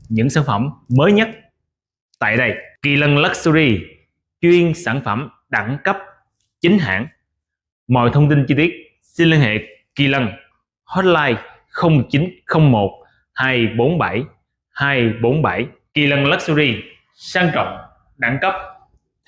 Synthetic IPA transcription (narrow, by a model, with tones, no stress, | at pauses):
ɲɨ̰˧˥ŋsaː˧˩nfə˧˩mməː˨˦jɲə˦˥t̚ | t̪a̰ː˧˨jɗə˧˩jki˧˩lə˧nlə˦˥k̚sə˧zi˧ | t͡ɕwi˧ənsaː˧˩nfə˧˩m | ɗa˧˩ŋkə˦˥p̚ | t͡ɕï˨˦ŋ̟ɦa̰ː˧˩˨ŋ | mɔ̰˧˨jt̪ʰə˧wŋ͡mt̪i˧nt͡ɕi˧t̪i˦˥ət̚ | si˧nli˧ənhḛ˧˨ | ki˧˩lə˧˩n | hɔ˦˥t̚laː˧j | xə˧wŋ͡mt͡ɕi˨˦nxə˧wŋ͡mmo˨˩t̚ | haː˧jɓo˨˦nɓa˧˩j | haː˧jɓo˨˦nɓa˧˩j | ki˧˩lə˧nlə˦˥k̚su˧zi˧ | saː˧ŋt͡ɕɔ̰˧˨wŋ͡m | ɗa˧˩ŋkə˦˥p̚